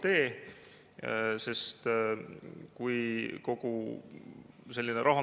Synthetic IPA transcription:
t̪e̞ː | se̞st̪ | kujko̞ku | se̞lʲːineɾɑɦu

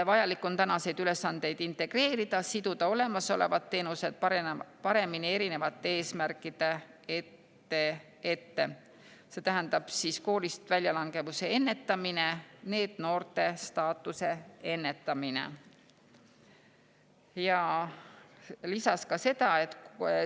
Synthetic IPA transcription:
evɑjɑlikːˑo̞nt̪ænɑse̞jd̪yle̞sːɑnd̪̥e̞jd̪̥int̪ˑe̞ɡ̥re̞ːɾid̪̥ɑsid̪ud̪̥ɑo̞le̞mɑso̞̰le̞̰vɑt̪ːe̞ːnuse̞d̪̥̚ppɑɾe̞minie̞ɾine̞vɑt̪ːee̞ːsmærkːˑid̪̥e̞et̪ː | e | e̞t̪ːe̞ | se̞ːt̪æɦænd̪ɑb̥sisko̞ːlist̪vælʲjɑlɑŋɡ̥e̞vuse̞e̞nːe̞t̪ːˑɑmine̞ne̞ːd̪̥no̞ːrt̪e̞st̪ɑːt̪ːˑuse̞e̞nːe̞t̪ːˑɑminḛ | jɑ | lisɑskɑse̞d̪̥ɑe̞t̪

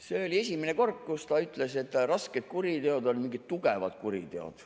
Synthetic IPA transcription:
se̞o̞lʲie̞sʲimene̞ko̞rkkːust̪ɑyt̪ˑle̞se̞t̪ːˑrɑsket̪̚kuɾid̪e̞o̞d̪o̞lmiŋɡit̪t̪uɡevɑ̰t̪kuɾḭt̪e̞o̰d̪̥

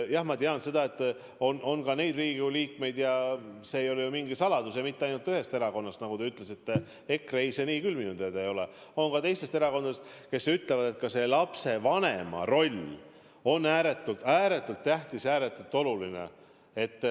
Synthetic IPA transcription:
jɑhmɑt̪eɑnse̞d̪ɑe̞t̪ːˑ | o̞no̞nkɑne̞jd̪riːɡ̥uliːkme̞jd̪̥jɑse̞ːjo̞lejumiŋɡisɑlɑd̪usjɑmit̪ːeɑjnult̪ːyhe̞st̪e̞ɾɑko̞nːɑst̪nɑɡ̥ud̪eyt̪ːˑle̞sit̪ːˑe | e̞kːre̞jseniːkylminud̪ed̪ejo̞leo̞nkɑt̪ejst̪e̞st̪eɾɑko̞nd̪d̪est̪ke̞syt̪ˑle̞vɑd̪̥e̞t̪̚kɑse̞lɑpse̞vɑne̞mɑ̰ɾo̞lʲ | o̞nːæːɾe̞t̪ːˑult̪æːɾe̞t̪ːˑult̪ːæht̪isæːɾet̪ːˑult̪ːˑo̞lulinḛ | e̞t̪ːˑ

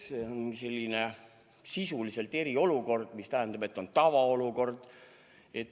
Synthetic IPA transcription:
seonse̞lʲːine̞ | sisulise̞lt̪e̞ɾio̞luko̞rd̪̥mist̪æɦɛnd̪̥ɑbe̞t̪ːˑo̞nt̪ɑvɑo̞luko̞rd̪̥ | e̞t̪ːˑ

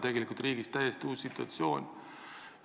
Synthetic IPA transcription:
t̪e̞ɡelikult̪riːɡist̪æjest̪ʲuːsːit̪ːˑuɑ̰t̪sjo̞ːnʲ

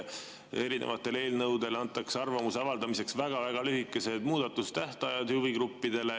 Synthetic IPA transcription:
eɾinʔḛvɑt̪ːˑe̞le̞ːlnɤwd̪e̞lɑnt̪ːˑɑkseɑrvɑmuseɑvɑld̪ɑmise̞ksvæɡ̥ɑvæɡ̥ɑlyɦikːˑe̞se̞d̪̥muːd̪̥ɑt̪ːˑust̪æht̪ɑjɑd̪̥hyviɡɾupːid̪e̞le

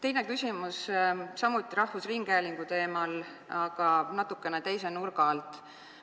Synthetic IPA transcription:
t̪e̞jne̞kysʲimussɑmut̪ːˑiɾɑhvusriŋɡ̥eːliŋɡ̥ut̪e̞ːmɑl | ɑɡ̥ɑnɑt̪ːˑukːˑe̞net̪e̞jsenurɡ̥ɑlt̪ˑ

